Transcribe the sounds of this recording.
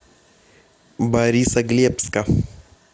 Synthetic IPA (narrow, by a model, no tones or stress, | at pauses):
baɾisɐɡliepska